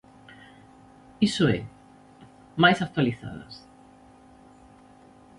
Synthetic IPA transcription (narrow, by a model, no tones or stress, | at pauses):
isoḛ | majsak̚t̪waliθa̰ða̰s